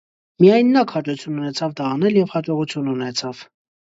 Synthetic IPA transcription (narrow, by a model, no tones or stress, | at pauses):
mijɑjnːɑkʰhɑt͡ʃut͡sʰjununɛt͡sʰɑvd̪ɑːnɛljɛvhɑt͡ʃɔʁut͡sʰjununɛt͡sʰɑv̥